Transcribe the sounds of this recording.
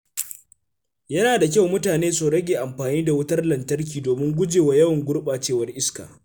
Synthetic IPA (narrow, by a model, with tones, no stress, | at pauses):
jɐ˦naː˨da˨k̬ʲa˦˨wmʊ˦taː˨neː˦su˨ɽɐ˦ɡʲeː˨ʔa˨mɸaː˨niː˦da˨wʊ˦tɐ˦rlɐ˨ntɐ˦rk̬ʲiː˨doː˨mɪ˦ŋɡʷʊ˦d͡ʒeː˨wa˨jɐ˦wɐ˨ŋɡʷʊ˦rɓaː˨t͡ʃeː˦wɐ˦rʔɪ˦ska̰ː˨